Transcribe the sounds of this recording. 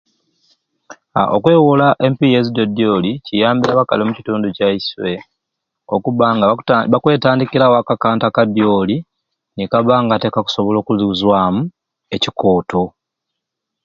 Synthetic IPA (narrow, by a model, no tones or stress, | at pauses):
a̰ʔokwe̞ːwulaʔe̞mpijezidodjo̞ːlicijaːmbiɾaβaka̰lomucituːnducaiswe̞ | o̰kuβaŋɡaβakwe̞ːtaːndikilawoakakaːntakadjo̞ːli | nikaβaːŋɡate̞kaku̥so̞βo̞lo̞ːkuziuzwaːmu | e̞ciko̞ːtʰo̞